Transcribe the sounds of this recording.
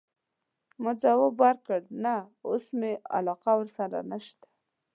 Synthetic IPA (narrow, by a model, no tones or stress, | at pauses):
mʊd͡zawobaɾkəɽnaosmea̰lɑqawəɾsaɾa̰naʃt̪ḁ